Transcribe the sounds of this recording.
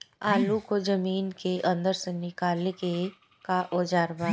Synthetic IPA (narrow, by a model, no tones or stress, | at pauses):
aːlukod͡ʒɐmiːnkeʔɐ̃nd̪əɾsenɪkaːleke | kaʔoːd͡ʒaːɾʋaː